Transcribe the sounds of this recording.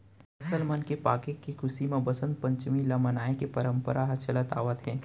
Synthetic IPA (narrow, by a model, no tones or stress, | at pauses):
ɐsəlmɐnkepaːkekːikʰʊsimãbɐsə̃nd̪̚pɐ̃ɲt͡ʃmilamənaːekepɐɾə̃mpəɾʔaɦɐt͡ʃɐlat̪a̰ːʋət̪ɦɛ̃ː